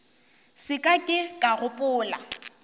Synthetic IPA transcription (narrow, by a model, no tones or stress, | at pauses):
sɪkʼakʼɪkʼaɣʊpʼʊːla̰